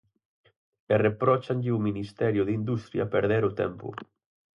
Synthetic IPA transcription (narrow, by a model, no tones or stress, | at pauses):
erepɾɔt͡ʃaɲʎɪuminist̪ɛɾjʊðind̪ust̪ɾja̰peɾðɛɾʊt̪ɛ̰mpʊ̰